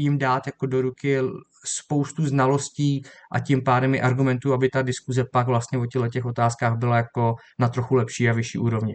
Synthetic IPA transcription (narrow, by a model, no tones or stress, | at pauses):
jɪmdaːt̪jako̞do̞ɾukɪ | spo̞wst̪uznalo̞sciːʔa̰cɪmpaːdɛmjɪʔaɾɡumɛnt̪uabɪt̪adɪskuzɛpaɡvlast̪ɲɛvo̞cɛɦlɛcɛxo̞t̪aːskaːɣbɪlajako̞ | nat̪ɾo̞xulɛpʃiːavɪʃḭːʔuːɾo̞vɲɪ